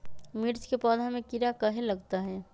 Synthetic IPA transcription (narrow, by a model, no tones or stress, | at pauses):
miɾt͡ʃkepəd̪ʱamekiɾakəɦeləɡt̪aɦɛ